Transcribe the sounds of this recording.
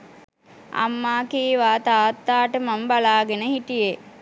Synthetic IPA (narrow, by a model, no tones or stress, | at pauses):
a̰mːaːkiːʋaːt̪aːt̪ːaːʈəmambalaːɡenəɦiʈije